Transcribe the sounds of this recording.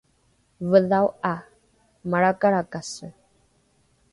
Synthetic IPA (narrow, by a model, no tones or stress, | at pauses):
vəðawa | maɽakaɾakasə